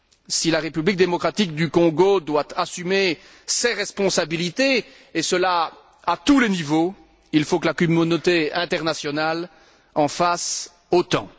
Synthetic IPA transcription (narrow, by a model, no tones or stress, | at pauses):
silaʁepyblik̚d̪emɔkχat̪ik̚d̪ykɔ̃ɡod̪wat̪asyme | sɛʁɛspɔ̃sabilit̪e | esəla | at̪ulɛnivo | ilfokəlakymonot̪eɛ̃t̪ɛʁnasjɔnal | ɑ̃fas | ot̪ɑ̰̃